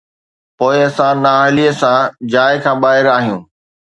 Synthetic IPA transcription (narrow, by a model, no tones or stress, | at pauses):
poːɪɐsãnaːɪliəsãd͡ʑaːɪkʰãːɓaːɦɪɾaːɦijũː